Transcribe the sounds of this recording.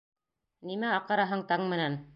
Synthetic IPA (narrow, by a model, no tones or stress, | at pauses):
nimæɑqɑɾɑɦɤɴt̪ɑŋmɘ̆næn